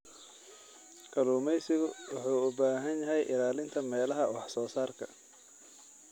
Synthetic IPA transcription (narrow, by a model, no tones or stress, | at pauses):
kʰɐluːmɛjsɪɣʊwɑħuːʊbaːɦɐnjɐɦɛjʔɪlaːlɪnt̪ʰɐmɛːlɐɦɐwɑħsɔːsaːrkʰɐ̰